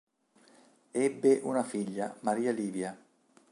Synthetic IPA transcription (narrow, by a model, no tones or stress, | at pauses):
ɛbːeʔunafiʎːamaɾiːaliːvja